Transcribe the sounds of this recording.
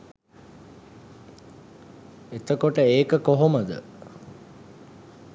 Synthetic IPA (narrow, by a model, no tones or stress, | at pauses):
et̪əkoʈəeːkəkoɦoməd̪ə̰